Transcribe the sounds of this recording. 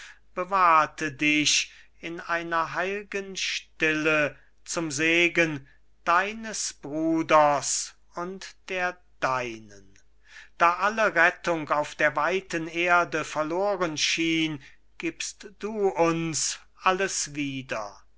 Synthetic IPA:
b̥əvaɐtʰədɪʃ | ɪnaɪnɐɦaɪlɡənʃtɪlə | t͡sʊmzeːɡən | d̥aɪnəsb̥ʁuːdɐs | ʊntd̥eːɐ | d̥aɪnən | d̥aːʔaləʁɛtʊŋkaʊfd̥eːɐvaɪtəneːɐdəfɛɐloːʁənʃiːn | ɡ̥iːpstd̥uːʊns | ʔaləsviːdɐ

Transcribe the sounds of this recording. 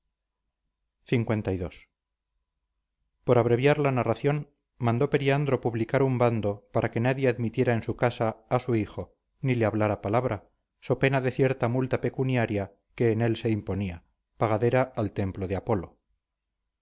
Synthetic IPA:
θiŋkwe̞nt̪ajðo̞s | po̞ɾaβɾe̞βjaɾlanaraθjo̞n | mãnd̪o̞pe̞ɾiand̪ɾo̞puβlikaɾumband̪o̞paɾʔake̞naðjeaðmit̪je̞ɾaensukasaːsuixo̞ | nileaβlaɾapalaβɾa | so̞pe̞naðe̞θje̞ɾt̪amult̪ape̞kunjaɾja | ke̞ːne̞lse̞impo̞nia | paɣaðe̞ɾaːlt̪e̞mploðeapo̞lo̞̰

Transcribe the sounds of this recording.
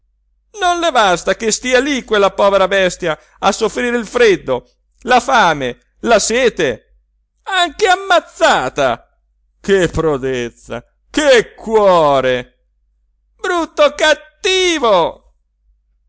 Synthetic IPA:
nonlebast̪akest̪iːalikːwelːapɔːveɾabɛst̪ja | asːofɾiːɾeilfɾed̪ːo | lafaːme | lasɛːt̪e | aŋkeamːat̪sːaːt̪a̰ | kepːɾod̪et̪sa̰ | kekːwɔːɾe | bɾut̪ːokat̪ːiːvo

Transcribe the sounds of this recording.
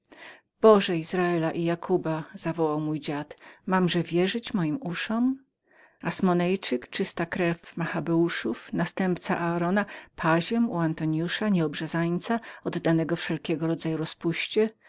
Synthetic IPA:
b̥ɔʐɛizɾaɛlaʔijakʰubaz̥avɔwawmujd͡ʑat̪mamʐɛvʲjɛʐɘt͡ɕmɔjimuʂɔm | asmɔnɛjt͡ʂɘkt͡ʂɘst̪akɾɛfmaxabɛuʂufnast̪ɛmpt̪sa̰ʔaːɾɔnapʰaʑɛmuant̪ɔɲjuʂaɲɛɔbʐazajt̪saɔd̪ːanɛɡɔfʂɛlkʲɛɡɔɾɔd̪zajuɾɔspuɕt͡ɕɛ

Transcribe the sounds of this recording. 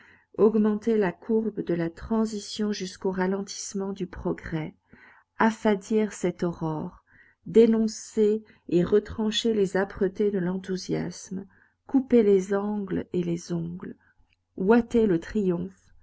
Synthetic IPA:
ɔɡmɑ̃t̪elakʰuʁbd̪əlat̪χɑ̃zisjɔ̃ʒyskoʁalɑ̃t̪i̥smɑ̃d̪ypχɔɡʁɛ | afad̪iʁsɛt̪ɔʁɔʁ | d̪enɔ̃seː | ʁət̪χɑ̃ʃelezapχət̪ed̪əlɑ̃t̪uzja̰sm | kupelezɑ̃ɡlelezɔ̃ɡl | wat̪elət̪χijɔ̃f

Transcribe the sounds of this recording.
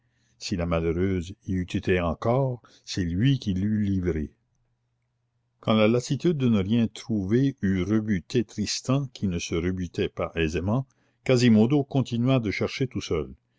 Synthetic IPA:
silamaløʁøːziyt̪ʰet̪eɑ̃kɔːʁ | sɛlɥikʲilylivɾḛ | kɑ̃lalasit̪yd̪ːənəʁjɛ̃t̪ɾuveyrəbyt̪ʰet̪ɾist̪ɑ̃kʰinəsəʁəbyt̪ɛpaʔɛzemɑ̃ | kazimod̪okɔ̃t̪inɥad̪əʃɛʁʃet̪usœl

